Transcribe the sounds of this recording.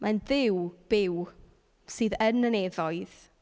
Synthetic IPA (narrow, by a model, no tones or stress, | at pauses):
mʔanðɪwb̥ɪw | siːðənːəneðɔɨð̥